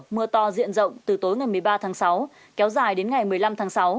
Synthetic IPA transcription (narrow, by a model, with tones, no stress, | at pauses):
mɨ˧ət̪ɔ˧˩zḭ˧˨ənzə̰˧˨wŋ͡mt̪ɨ˨˩t̪o˨˦jŋa˨˩jmɨ˨˩əjɓaː˧t̪ʰaː˨˦ŋsa˨˦w | kɛ˨˦wzaː˧˩jɗe˨˦nŋa˨˩jmɨ˨˩əjla˧mt̪ʰaː˨˦ŋsa˨˦w